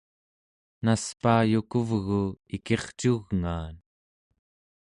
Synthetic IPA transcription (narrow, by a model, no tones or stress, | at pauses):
naspaːjukuvɣuike̞χt͡ʃuɣŋaːn